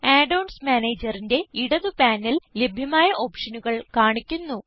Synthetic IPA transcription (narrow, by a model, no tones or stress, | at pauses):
aːɖɐwɳsmaːneːd͡ʑɐrinde̞iɽɐðupaːnːille̞bʱjɐmaːjɐʔo̞ːpʂɐnuɣɐɭkaːɳikʲːunːu